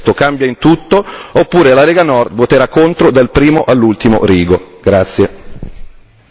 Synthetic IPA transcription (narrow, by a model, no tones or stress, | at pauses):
t̪okambjaint̪ut̪ːoopːuːɾelaɾɛːɡanɔrd̪vot̪eɾakːont̪ɾod̪alpɾiːmoʔalːult̪imo̰ɾiːɡoɡɾat̪sːje